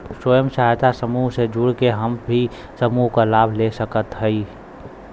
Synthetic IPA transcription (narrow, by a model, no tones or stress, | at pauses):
swəjəmʃaːt̪asəmuːɦsed͡ʒuɽkeɦəmbʱi | səmuːɦkalaːbʱlesəkət̪ɦəi